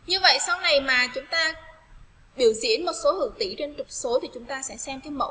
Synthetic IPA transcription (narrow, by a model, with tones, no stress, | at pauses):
ɲɨ˧və̰˧˨jsa˧wna˨˩jmaː˨˩t͡ɕʊ˨˦ŋ͡mt̪aː˧ | ɗi˨˩əwzḭ˧˥ənmo˨˩t̚so˨˦hɨ̰˧˨əŋt̪ḭ˧˥t͡ɕe˧nt͡ɕʊ˨˩k͡p̚so˨˦t̪ʰi˨˩t͡ɕʊ˨˦ŋ͡mt̪aː˧sɛ̰˧˥sɛ˧mkaː˨˦jmə̰˧˩